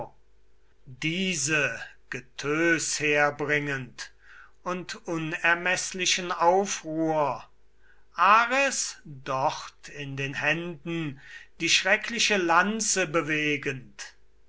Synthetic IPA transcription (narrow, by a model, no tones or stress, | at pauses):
diːzəɡ̥ətʰøːsheːɐbʁɪŋənt | ʊntʔʊnɛɐmɛslɪʃənaʊfʁuːɐ | ʔaːʁɛsdɔχtʰɪndeːnhɛndn̩d̥iːʃʁ̥ɛkʰlɪʃəlant͡səbəveːɡənt